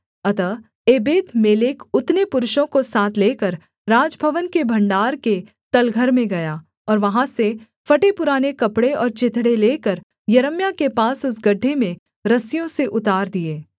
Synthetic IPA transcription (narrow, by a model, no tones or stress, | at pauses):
ɐt̪ə | eːbeːt̪meːleːkʊt̪nepʊɾʊʃõkosaːt̪ʰleːkəɾ | ɾaːd͡ʒbʱəʋənkebʱɐ̃ɳɖaːɾke | t̪ɐlɡʱəɾmẽɡɐjaː | ɔːɾʋɐɦãse | fɐʈepʊɾaːnekɐpɽeɔːɾt͡ʃɪt̪ʰɽeleːkəɾ | jɐɾəmjakepaːsʊsɡɐɖʱːemẽ | ɾɐsjõseʔʊt̪aːɾd̪ieː